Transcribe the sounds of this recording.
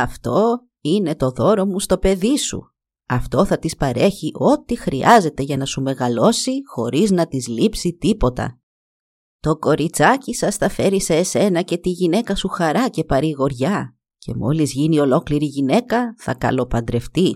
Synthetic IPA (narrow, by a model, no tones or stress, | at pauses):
ɐft̪o̞ | ine̞t̪o̞ðo̞ɾo̞must̪o̞pe̞ðisṵ | ɐft̪o̞θɐt̪ispɐɾe̞çiʔo̞t̪ixɾiʔɐze̞t̪e̞ʝɐnɐsume̞ɣɐlo̞sixo̞ɾiznɐt̪izlipsit̪ipo̞t̪ɐ̰ | t̪o̞ko̞ɾit͡sɐcisɐsθɐfe̞ɾise̞ːse̞nɐce̞t̪iʝine̞kɐsuxɐɾɐce̞pɐɾiɣo̞ɾʝɐ | ce̞mo̞̰lizʝinio̞lo̞kliɾiʝine̞kɐθɐ̰kɐ̰lo̞pɐnd̪ɾe̞ft̪i